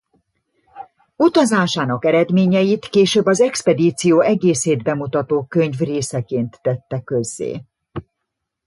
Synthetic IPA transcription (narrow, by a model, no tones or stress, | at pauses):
ut̪ɒzaːʃaːnɒkɛɾɛd̪meːɲɛjit̪keːʃøːbːɒzɛkspɛd̪iːt̪sijoːɛɡeːseːd̪bɛmut̪ɒt̪oːkøɲvreːsɛkeːnt̪ːɛt̪ːɛkø̞zːḛː